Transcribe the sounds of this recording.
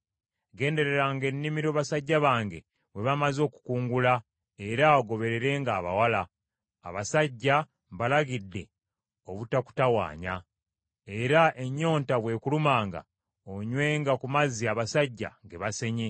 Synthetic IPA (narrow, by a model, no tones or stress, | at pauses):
ɡe̞ːnde̞ɾe̞ɾaŋɡe̞nːimiɾoβasaɟːaβaːŋɡe̞̰ | βwe̞βamazo̞ːku̥kuːŋɡula | e̞ɾaoɡo̞βe̞ɾe̞ɾe̞ːŋɡaːβa̰wala̰ː | βasaɟːa | βalaɡidːe̞ | o̞βutaku̥tawa̰ːɲa̰ | e̞ɾae̞ɲːo̞ːntaβwe̞ːkulumaːŋɡa̰ | oɲwe̞ːŋɡakumaziaβasaɟːa̰ŋɡe̞βase̞ɲe̞